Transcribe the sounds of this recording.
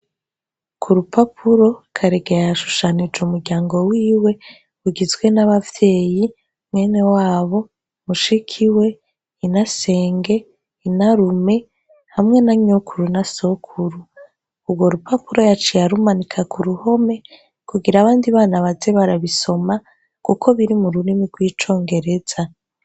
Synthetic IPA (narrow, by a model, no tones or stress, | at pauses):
kʰuɾupapʰuɾo̞kʰaɾeɡejaaʃu̥ʃanid͡ʒumuɾɟaːŋɡo̞wiːwe̞ | βuɡizɡwe̞naβavje̞ːji | mŋe̞ːne̞waːβo̞ | muʃikʰiwe̞ | inase̞ːŋɡe̞ | inaɾume̞ | hamŋe̞naɲo̞kʰuɾunaso̞kʰuɾuː | bɡo̞ɾupapuɾo̞jat͡ʃijaɾumanikʰakʰuɾuho̞me̞ | kuɡiɾaːβaːndiβaːnaβazeβaɾaβiso̞ma | kukʰo̞βiɾimuɾuɾimiɡwiːt͡ʃo̞ːŋɡe̞ɾe̞z̥a